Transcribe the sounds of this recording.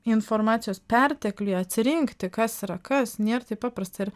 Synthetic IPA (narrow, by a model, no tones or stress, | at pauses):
ɪnfoɾmɑːt̪sʲɪjoːspʲɛɾʲt̪ʲɛklʲʊɐt̪ʲsʲɪɾʲɪŋkt̪ʲɪkɐsɪɾɐkɐsnʲeːɾt̪ɐɪpɑːpɾɐst̪ɐɪɪɾ